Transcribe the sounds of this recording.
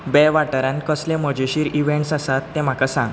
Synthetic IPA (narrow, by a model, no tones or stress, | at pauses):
bɛʋaʈəɾãnkəslẽm̤əd͡ʑeɕiːɾiʋẽɳʈsasat̪ːẽm̤akasãŋɡ